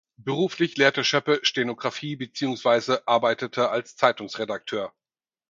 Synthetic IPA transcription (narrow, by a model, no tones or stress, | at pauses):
b̥əʁuːflɪçleːɐtəʃœpəʃtenoɡʁafiːbət͡siːʊŋsv̥aɪzəʔaɐbaɪtətʰəalst͡saɪtʊŋsʁedak̚tʰøːɐ